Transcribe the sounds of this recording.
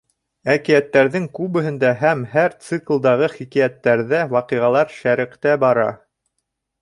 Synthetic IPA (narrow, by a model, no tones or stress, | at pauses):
ækijæt̪ːæɾðɘŋkʉβɘ̆ɦɘ̆nd̪æɦæmhæɾt̪sɨklˠd̪ɑʁɤχikijæt̪ːæɾðæwɑqiʁɑlˠɑɾʃæɾɘ̆qt̪æbɑɾɑ̰